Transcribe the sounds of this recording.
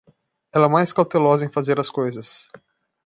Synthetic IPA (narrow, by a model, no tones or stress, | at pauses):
ɛlɛmajskawt̪elɔzɐẽj̃fazeɾɐskojzɐs